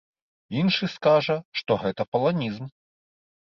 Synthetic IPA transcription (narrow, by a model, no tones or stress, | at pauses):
inʂɨskaʐɐʂt̪ɔɣɛt̪ɐpɐlˠanʲizm